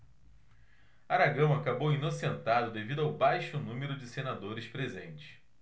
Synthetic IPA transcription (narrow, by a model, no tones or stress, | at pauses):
aɾaɡɐ̃w̃akabowinosẽnt̪ad̪ʊd̪evid̪ʊawbajʃʊnũmeɾʊd͡ʒɪsenad̪oɾɪspɾezḛ̃nt͡ʃɪ̥